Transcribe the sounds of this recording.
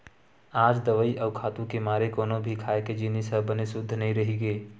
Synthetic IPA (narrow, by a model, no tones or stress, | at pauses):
aːd͡ʒd̪əʋəiʔəːkʰaːt̪ũkemaːɾekoːnobʱikʰaːeked͡ʒɪnisəbənesʊd̪ʱːnəɦĩɾəɦiɡeː